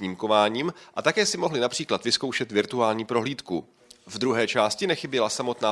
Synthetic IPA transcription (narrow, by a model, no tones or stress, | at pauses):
ɲiːmko̞vaːɲiːmʔat̪akɛːsɪmo̞ɦlɪnapr̥iːklat̪vɪsko̞wʃɛt̪vɪɾt̪uaːlɲiːpɾo̞ɦliːt̪ku | vd̪ɾuɦɛːt͡ʃaːscɪnɛxɪbjɛlasamo̞t̪naː